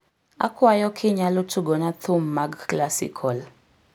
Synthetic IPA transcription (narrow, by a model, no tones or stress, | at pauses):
a̰kʰwajɔkʰɪɲalotʰuɡɔnat̪ʰɔmːaɡklasḭkʰɔl